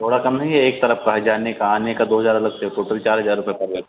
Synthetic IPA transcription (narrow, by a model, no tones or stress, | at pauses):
t̪ʰoːɽakɐmnɐɦĩɛeːk̚t̪ɐɾəfkaɦɐd͡ʒaːnekaaːnekad̪oːɦɐzaːɾɐləɡseʈoːʈəlt͡ʃaːɾɦɐzaːɾːʊpɛepɐɾɡe